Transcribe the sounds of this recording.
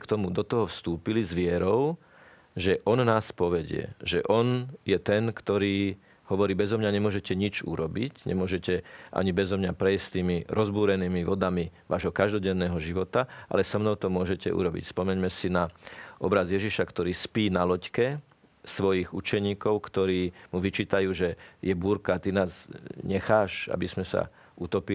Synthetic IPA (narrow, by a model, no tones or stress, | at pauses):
kt̪ɔmud̪ɔt̪ɔɦɔfst̪uːpilizʋɪɛɾɔʊ | ʒɛʔɔnnaːspɔʋɛɟɪɛ̰ʒɛʔɔnjɛt̪ɛnkt̪ɔɾiː | ɦɔʋɔɾiːbɛzɔmɲaɲɛmʊɔʒɛcɛɲit͡ʃṵɾɔbicɲʔɛ̰mʊɔʒɛcɛʔa̰ɲibɛzɔmɲapɾɛjsst̪iːmiɾʔɔzbuːɾɛniːmiʋɔd̪amiʋa̰ːʒɦɔkaʒd̪ɔɟɛnːɛːɦɔʒiʋɔt̪aʔa̰lɛsɔmnɔʊt̪ɔmʊɔʒɛcɛ̰ʔṵɾɔbḭcspɔmɛɲmɛsinaʔɔbɾazjɛʒiʃakt̪ɔɾiːspiːnalɔckɛ | sʋɔjiɣut͡ʃɛɲiːkɔʊkt̪ɔɾiːmuʋit͡ʃiːt̪ajuːʒɛjɛbuːɾkat̪inaːzɲɛxaːʃa̰bizmɛsa̰ | ut̪ɔpi